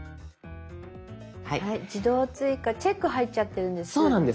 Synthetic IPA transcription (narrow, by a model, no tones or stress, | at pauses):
haihaid͡ʑid̪o̞ːt͡sɨikat͡ɕekːɯ̟ɦaitt͡ɕat̪ːe̞ɾɯ̟̃nd̪essoːnãnd̪e